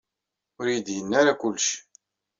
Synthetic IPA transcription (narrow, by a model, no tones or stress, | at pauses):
ʊɾjəd̪jənːaɾakʊlːʃ